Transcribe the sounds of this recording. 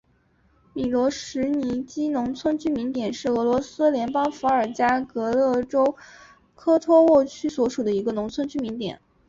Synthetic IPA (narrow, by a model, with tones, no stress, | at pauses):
mi˨˩lwɔ˧˥ʂɻ̩˧˥ni˧˥t͡ɕi˥nʊ˧˥ŋt͡sʰwə˥nt͡ɕʰy˥mi˧˥ŋt̪jɛ˨˩nʂɻ̩˥˩ɤ˧˥lwɔ˧˥sɹ̩˥ljɛ˧˥npɑ˥ŋfu˧˥ə˞˨˩t͡ɕja˥kɤ˧˥lɤ˥˩ʈ͡ʂo˥ʊ | kʰɤ˥t̪ʰwɔ˥wɔ˥˩t͡ɕʰy˥swɔ˧˥ʂu˨˩d̪ə˦i˧˥ɡə˧nʊ˧˥ŋt͡sʰwə˥nt͡ɕʰy˥mi˧˥ŋt̪jɛ̰˨˩˦n